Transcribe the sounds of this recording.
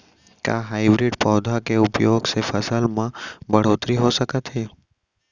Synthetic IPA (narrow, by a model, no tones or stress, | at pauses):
ka̰ɦaːɪbɾɪɖpɔːd̪ʱakeʊpjoːɡsepʰəsəlmãbəɽ̤oːt̪ɾiɦosəkət̪ɦeː